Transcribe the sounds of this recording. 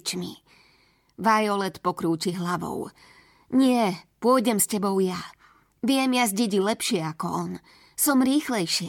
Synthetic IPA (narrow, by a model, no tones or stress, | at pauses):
t͡ʃmḭ | ʋajɔlɛt̪pɔkɾuːciɦlaʋɔ̰ʊ | ɲɪɛpʊɔjɟɛmscɛbɔʊja | ʋɪɛmjazɟɛɟilɛpʃɪɛakɔʔɔn | sɔmɾiːxlɛjʃɪɛ